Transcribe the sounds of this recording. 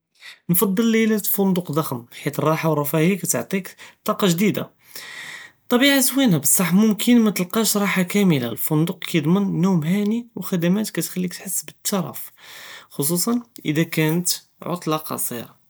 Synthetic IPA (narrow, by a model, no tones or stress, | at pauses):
nfɑd̪ˤːəlːilæt̪fʊnd̪uqd̪ˤɑxəmħit̪ərˤːɑħawɾˤɑfæhikæt̪əʕt̪ˤikt̪ˤːɑqɑʒd̪id̪a̰ | t̪ˤːɑbiʕaswinæbəsˤːɑħmʊmkʰənmæt̪əlqɑʃɾˤɑħakæməla̰lfʊnd̪uqkæjd̪ˤmənːumhæniwxæd̪æmæt̪kæt̪xælːik̚t̪ħəsːbət̪ːɑɾˤɑ̰f | xos̬usˤɑnʔə̰d̪ækænət̪ | ʕo̰t̪ˤlɑqɑ̰sˤḭɾɑ